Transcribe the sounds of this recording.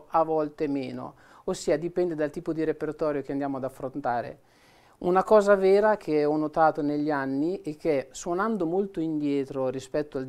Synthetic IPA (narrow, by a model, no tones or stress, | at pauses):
avɔlt̪emeːno̰ | osːiːad̪ipɛnd̪ed̪alt̪iːpod̪iɾepert̪ɔːɾjokeand̪jaːmoad̪afːɾont̪aːɾḛ | unakɔːzavɛːɾak̟ʰeɔnːot̪aːt̪oneʎːanːiɛk̟ːeɛswonand̪omolt̪oind̪jɛːt̪ɾorispɛt̪ːoald̪